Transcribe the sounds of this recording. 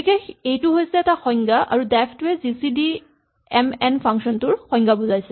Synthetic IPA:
ikɛejtuɦojsɛːtaxɔjŋɡaʔa̰ɹudɛpʰtwɛzisidi | ɛmɛnpʰaŋksɔntʊɹxɔ̃jŋɡabuzajsɛ

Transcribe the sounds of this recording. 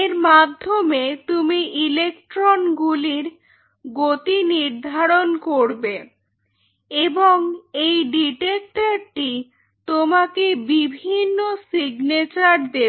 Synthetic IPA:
eɾmad̪ʱːomet̪umiʔilek̚ʈɾonɡuliɾ | ɡot̪iniɾd̪ʱaɾonkoɾbe | eboŋejɖiʈek̚ʈaɾʈi | t̪omakebibʱinːosiɡnet͡ɕaɾd̪e

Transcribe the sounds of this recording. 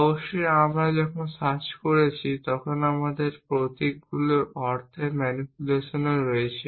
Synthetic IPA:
ɔboʃːojamɾad͡ʑɔkʰonsat͡ɕkoɾet͡ɕʰit̪ɔkʰonamad̪eɾpɾot̪ikɡuloɔɾt̪ʰeɾmɛnipuleʃoneɾoet͡ɕʰi

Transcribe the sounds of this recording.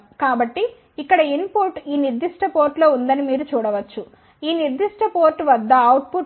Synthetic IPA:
kaːbɐʈːi | ikːɐɽɐinpuɾʈiːniɾd̪iʂʈɐpoːɾʈlo̞ːund̪ɐnimiːɾut͡ʃuːɽɐʋɐt͡ʃːu | iːniɾd̪iʂʈɐpoːɾʈːʋɐd̪ːɐːwʈ̚puʈ

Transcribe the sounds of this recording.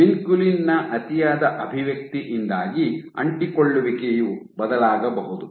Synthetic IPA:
minkulinːɐʔɐt̪ijaːd̪ɐʔɐbʱiʋjɐk̚t̪iʔind̪aːɡiɐ̰ɳʈikoɭːuʋikejubɐd̪ɐlaːɡɐbɐɦud̪u

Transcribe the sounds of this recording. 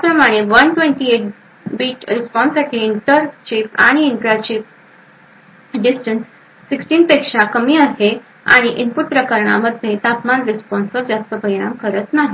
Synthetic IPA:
japɾəmaɽ̃eʋənʈʋẽɳʈieʈ̚ | biːt͡ɕɾispɔnsaʈʰiːɳʈəɾt͡ɕipa̰ɽ̃iːɳʈɾaɾt͡ɕip̚ | ɖisʈənsː | iksʈiːnpekʂakəmiːaɦe | a̰ɽ̃iʔimpuʈ̚pɾəkəɾɳa̰məd̪ʱjet̪apmanɾispɔnsʋəɾd͡ʑast̪əpəɾiɽ̃amkəɾət̪naɦi

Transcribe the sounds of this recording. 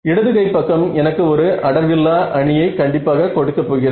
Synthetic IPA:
ɪɽɐðɯɣɐɪpːɐkːɐmɛnɐkːɯɔɾɯʔɐɽɐɾʋɪlːaːʔɐɳɪjɐɪkɐɳɖɪpːaːɣɐkɔɽɯkːɐpːoːɣɪrɐ

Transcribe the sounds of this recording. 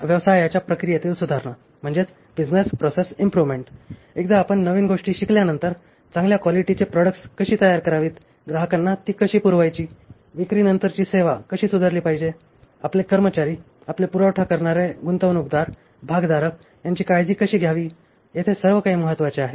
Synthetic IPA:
ʋjəʋsajat͡ɕjapɾəkɾijat̪iːlsud̪ʱaɾɳa | m̤əɳd͡zet͡s | bid͡znespɾɔsesimpɾuʋmeɳʈ | ek̚d̪aːpəɳːəʋiːnɡoʂʈiːɕikljanənt̪əɾ | t͡sãŋɡljakʋɔliʈit͡sepɾɔɽəkʈskəɕiːt̪əjaɾkəɾaʋiːt̪ | ɡɾaɦəkanːat̪iːkəɕiːpuɾʋajt͡ɕiː | ʋikɾiːnənt̪əɾt͡ɕiːseʋakəɕiːsud̪ʱaɾliːpaɦid͡ʑe | aplekəɾmət͡ɕaɾiː | aplepuɾəwʈʰakəɾɳaɾeɡunt̪əʋnuk̚d̪aɾ | bʱaɡd̪aɾək | jaɲt͡ɕiːkajd͡ʑiːkəɕiːɡʱjaʋiː | jet̪ʰesəɾʋəkaɦiːməɦət̪ːʋat͡ɕeaɦe

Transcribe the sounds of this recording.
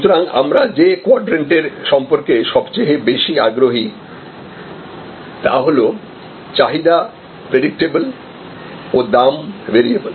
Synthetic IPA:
ʃut̪oɾaŋa̰mɾad͡ʑekoɔɖɾeɳʈeɾʃɔmpoɾkeʃɔbt͡ɕeebeʃiaɡɾoɦi | t̪a̰ɦolo | t͡ɕaɦid̪a | pɾeɖik̚ʈebol | od̪ambeɾiebol

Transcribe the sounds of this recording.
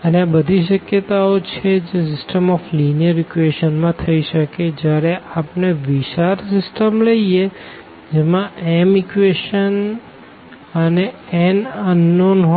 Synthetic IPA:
əneabəd̪ʱiʃ̬əkjət̪aot͡ʃʰed͡ʒes̬ɪsʈəmɔflinijəɾɪkʋeʃənmãt̪ʰəiʃəked͡ʒjaɾeʔapneʋiʃaɾsɪsʈəmləie | d͡ʒemãɛmɪkʋeʃən | əneɛnənːonɦ

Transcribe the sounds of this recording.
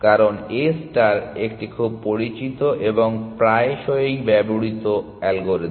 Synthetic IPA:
kaɾonesʈaɾek̚ʈikʰub̚poɾit͡ɕit̪oʔeboŋpɾaeʃɔejbɛbuɽit̪o | ɛlɡoɾe

